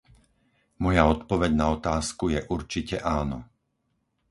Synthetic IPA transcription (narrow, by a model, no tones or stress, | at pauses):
mɔjaɔt̪pɔʋɛɟnaɔt̪aːskujɛʔuɾt͡ʃicɛʔaːnɔ